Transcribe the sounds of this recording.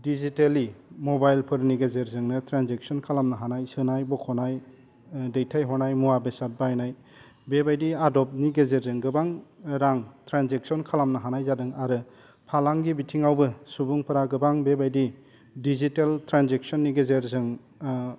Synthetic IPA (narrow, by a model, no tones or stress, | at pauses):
dizitelimɔbajlpʰɯɾniɡezeɾzɯŋnɯtɾanzek̚sɔnkʰalamnɯɦanajsɯnajbɔkʰɔnaj | dejtʰajɦɔnajmuabesat̚bajnaj | bebajdiadɔp̚niɡezeɾzɯŋɡɯbaŋɾaŋtʰɾanzek̚sɔnkʰalamnɯɦanajzadɯŋaɾɯ | pʰalaŋɡibitʰiŋawbɯsubuŋpʰɯɾaɡɯbaŋbebajdi | diziteltɾanzek̚sɔnːiɡezeɾzɯŋ